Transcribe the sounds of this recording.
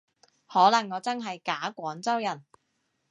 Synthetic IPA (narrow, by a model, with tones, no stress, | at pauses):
hɔː˨˥lɐ˨˩ŋːɔː˨˧t͡sɐ˥nɦɐ˨jkaː˨˥kʷɔː˨˥ŋt͡sɐ˥wjɐ˨˩n